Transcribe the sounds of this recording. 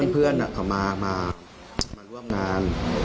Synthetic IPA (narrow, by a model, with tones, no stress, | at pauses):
ənpʰɯ˥˩ənʔa˨˩kʰa˨˩wmaː˧maː˧ | maː˧ɾu˥˩əmŋaː˧n